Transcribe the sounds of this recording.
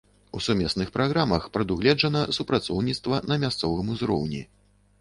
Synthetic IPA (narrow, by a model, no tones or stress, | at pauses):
usumʲɛsnɨxpɾaɣɾamɐxpɾɐd̪uɣlʲɛd͡ʐɐnɐsupɾat̪sɔwnʲit̪st̪vɐnɐmʲast̪sɔvɨmuzɾɔ̰wnʲḭ